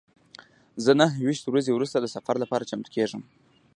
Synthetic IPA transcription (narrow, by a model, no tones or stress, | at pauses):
zənaɦwiʃt̪wɾazewɾust̪ad̪əsafaɾlapɑɾat͡ʃamt̪ə̥kʰeʐəm